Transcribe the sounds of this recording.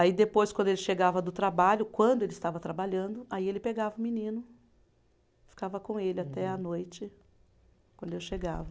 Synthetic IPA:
aid̪epojskwɐ̃nd̪ʊelɪʃeɡavɐd̪ʊt̪ɾabaʎʊkwɐ̃nd̪ʊelɪst̪avɐt̪ɾabaʎɐ̃nd̪ʊaielɪpeɡavɐʊminĩnʊ | fi̥kavɐkõelɪat̪ɛɐnojt͡ʃɪ | kwɐ̃nd̪ʊewʃeɡa̰vɐ

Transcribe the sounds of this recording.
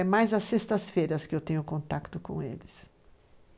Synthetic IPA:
ɛmajzɐsest̪ɐsfejɾɐskɪewt̪ẽɲʊkõnt̪akt̪ʊkõ̰w̃ḛlɪs

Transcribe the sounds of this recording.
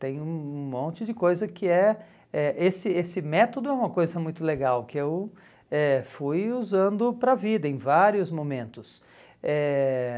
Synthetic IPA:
t̪ẽj̃ũmõnt͡ʃɪd͡ʒɪkojzɐkɪɛ | ɛʔesɪesɪmɛt̪od̪ʊɛũmɐkojzɐmũj̃t̪ʊleɡawkɪew | ɛfujuzɐ̃nd̪ʊpɾɐvid̪ɐẽj̃vaɾiʊzmomẽnt̪ʊs | ɛ

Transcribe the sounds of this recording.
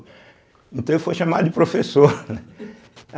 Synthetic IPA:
ẽt̪ɐ̃w̃ewfojʃamad̪ʊd͡ʒɪpɾofesoɾnɛ

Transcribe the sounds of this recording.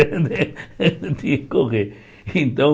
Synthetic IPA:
d̪e | t̪iɐ̃kkoʁeɾ | iẽnt̪ɐ̃w̃

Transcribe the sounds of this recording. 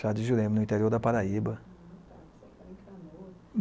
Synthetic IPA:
ad͡ʒɪʒuɾẽmɪnʊĩt̪eɾioɾd̪ɐpaɾaibɐ

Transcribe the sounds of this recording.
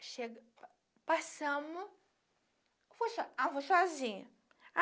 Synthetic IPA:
ʃeɡ | pasɐ̃mʊ | fosɔavosɔzĩɲɐ

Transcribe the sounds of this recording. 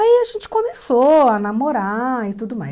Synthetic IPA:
aiaʒẽnt͡ʃɪ̥kõmesoanamoɾaɪt̪ud̪ʊma̰j

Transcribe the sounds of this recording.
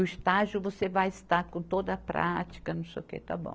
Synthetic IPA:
ʊist̪aʒʊvosevajɪst̪aɾkõt̪od̪ɐːpɾʔa̰t͡ʃi̥kɐnɐ̃seʊkḛt̪a̰bõ̰

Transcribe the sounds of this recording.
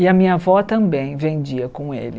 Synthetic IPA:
ɪɐmĩɲɐvɔt̪ɐ̃mbẽj̃vẽd͡ʒiɐkõḛlɪ

